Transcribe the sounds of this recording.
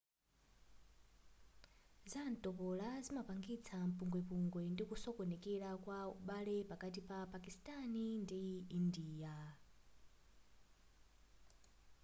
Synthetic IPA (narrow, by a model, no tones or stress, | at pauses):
zantɔpɔlazimapaŋɡit͡sʰam̩puŋɡwɛpuŋɡwɛndikusɔkɔnɛkɛlakwaṵɓalɛpakatipapakistʼanindiindiːja